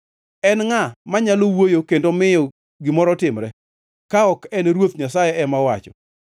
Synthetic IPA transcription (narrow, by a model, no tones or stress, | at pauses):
ɛnŋamaɲalowojokendomɪjɔ | ɡɪmɔɾɔtɪmɾɛ | kaɔkɛneɾwot̪ɲasajɛɛmawat͡ʃɔ̰